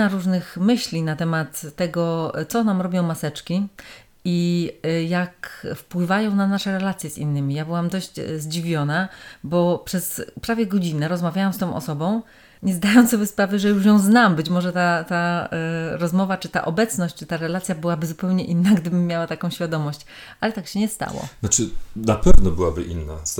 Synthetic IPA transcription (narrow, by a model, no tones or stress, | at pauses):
aɾuʐnɘxmɘɕlʲinat̪ɛmat̪ːɛɡɔt̪sɔnamɾɔbʲjɔ̃w̃masɛt͡ʂkʲi | ijakfpwɘvajɔ̃w̃nanaʂɛɾɛlat̪sʲjɛsḭnːɘmʲijabɘwamd̪ɔɕd͡ʑ̰zd͡ʑivʲjɔnabɔpʂɛspɾavʲjɛɡɔd͡ʑinɛɾɔzmavʲjawamst̪ɔ̃w̃ʔɔ̰sɔbɔ̃w̃ | ɲɛzd̪ajɔ̃w̪̃sɔbʲjɛspɾavɘʐɛjuʂjɔ̃w̃znambɘt͡ɕmɔʐɛt̪at̪a | ɾɔzmɔvat͡ʂɘt̪a̰ʔɔbɛt̪snɔɕt͡ɕ̚t͡ʂɘ̥t̪aɾɛlat̪sʲjabɘwabɘzupɛwɲɛʔinːaɡd̪ɘbɘmʲjawat̪akɔ̃w̃ɕfʲjad̪ɔmɔɕt͡ɕ | ʔalɛt̪akɕɛɲɛst̪a̰wɔ̰nat͡ʂɘnapɛvnɔbɘwabɘ̰ʔḭnːa̰